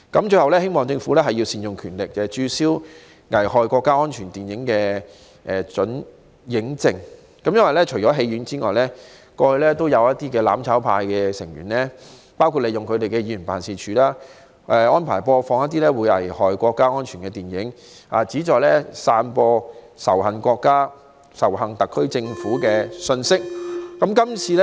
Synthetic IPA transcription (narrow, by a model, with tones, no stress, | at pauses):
kɐ˨˦mt͡ʃɵ˧hɐ˨wlɛː˥he˥jmɔː˨ŋt͡sɪ˧ŋfuː˨˥lɛː˥ɦɐ˨jːi˧wsiː˨njʊ˨ŋkʰyː˨˩nlɪ˨k̚ːɛ˨t͡ʃyː˧siː˥w | ŋɐ˨˩jhɔː˨jkɔː˧kːaː˥ŋɔː˥nt͡ʃʰyː˨˩nt̪iː˨njɪ˨˥ŋkɛː˧ | ʔɛː˨t͡sɵ˨˥n | jɪ˨˥ŋt͡sɪ˨˧ŋ | kɐ˨˥mjɐ˥nwɐ˨jlɛ˥t͡ʃʰɵ˨˩t͡ʃɔː˨˥ɦe˧jyː˨˥nt͡siː˥ŋɔ̰ː˨jlɛː˥ | kɔː˧hɵ˧ɥlɛː˥t̪o˥wjɐ˨˧wɐ˥t̚t̪iː˥kɛː˧la̰ː˨˥mt͡sʰaː˨˥wpʰaː˧jkɛː˧sɪ˨˩ŋjy̰ː˨˩nlɛ˥ | paː˥wkʰu˨˧t̚le˨˧jʊ˨ŋkʰɵ˨˧ɥt̪e˨jkɛː˧jiː˨˧˥jy˨˩npaː˨˩nsiː˨˧t͡ʃʰyː˨˥laː˥ | ʔɛ˨˧ɔː˥npʰaː˨˩jpɔː˧fɔː˧ŋjɐ˥t̪̚i˥lɛː˥wu˨˧jhɐ̰˨jhɔː˨jkʷɔː˧kːaː˥ŋɔː˥nt͡ʃʰyː˨˩nkɛː˧t̪iː˨˩njɪ˨˥ŋ | ha̰ː˨˩t͡siː˨˥t͡ʃɔː˨jlɛ˥saː˧npɔː˧ | sɐ˨˩whɐ˨˩nkʷɔː˧kːaː˥ | sɐ˨˩wɦɐ˨ŋt̪ɐ˨kʰːɵ˥ɥt͡sɪ˧ŋfuː˨˥kɛː˧sɵ˧nsɪ˥k̚ːɐ˨˦˥mkɐ˥mt͡sʰiː˨˧lɛ˥